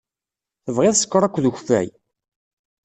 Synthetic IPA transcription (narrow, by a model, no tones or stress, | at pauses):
θəvʁeðsə̥kːɾˤækʷːðəçfæ̰j